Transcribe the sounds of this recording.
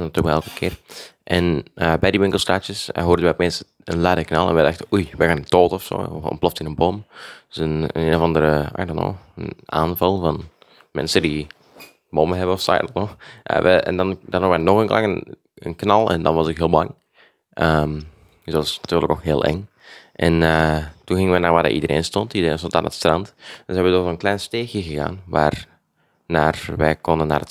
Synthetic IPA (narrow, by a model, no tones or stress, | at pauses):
natyːəkəkɛlˠkəkʰɪːrʔɛnəbɛjdiʋɪŋkəl̩ˠstaːt͡ʃjəsɦoːɾəʋɛjpmɪsə | ənladəknɑlˠɛnʋɛdɛxtəujʋɛxaːnətoːtəɔfso̰ːɔ̰mplɔftɪnənbomdsənəneːnovɑndəɾəa̰dano̰ːəna̰ːnvɑlˠvɑn | mɛ̰nsədi | boməɦɛbənɔfsa̰jdɔtnɔxʔʋəɛ̰ndɑndɑnɔɛnɔxənklɑŋən | ə̰nknɑlˠɛ̰ndɑnʋɑsɪkɦɪːlˠbɑŋ | ʔəm | zoɑsnatyːrləknɔxɦeːlˠʔɛ̰ŋ | ʔɛnətunɣɪŋəʋɛnaːrʋaːrdə̰ʔḭdəɾʔḛːnstɔntidəreːnstontaːnə̰tstrɑntdəsɦɛbətɔzoːnklɛjnsteːxjəɣəɣa̰ːnʋa̰ːr | naːrʋɛjkɔndənːaːrə